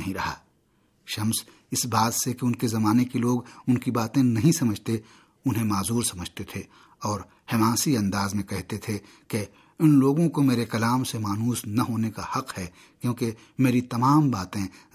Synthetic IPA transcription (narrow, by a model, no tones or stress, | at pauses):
ɐɦĩɾɐɦa̰ː | ʃɐms | ɪsbaːd̪sekeʊnkezɐmaːnekiloːɡʊnkibaːt̪ẽnɐɦĩsɐməd͡ʒʱt̪e | ʊnɦẽmaːzuːɾsɐməd͡ʒʱt̪et̪ʰe | ɔːɾ | hemãːsiɐ̃nd̪aːzmẽkɛɦt̪et̪ʰe | ke | ɪnloːɡõkomeːɾekɐlaːmsemaːnuːsnɐɦoːnekahɐqhɛ | kjõːke | meːɾit̪ɐmaːmbaːt̪ẽ